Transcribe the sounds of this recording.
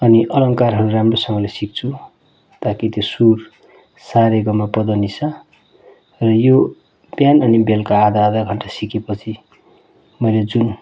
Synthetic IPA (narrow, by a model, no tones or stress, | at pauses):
ʌniʔʌlʌŋkarɦʌɾuɾamrosʌŋɡʌlesik̚t͡sʰu | t̪akit̪josur | saɾeɡʌmapʌd̪ʌnisʰʌ | rʌjo | bjanʌnibelkaːd̪aːd̪aɡʱʌɳʈasikepʌt͡sʰi | mʌjled͡zun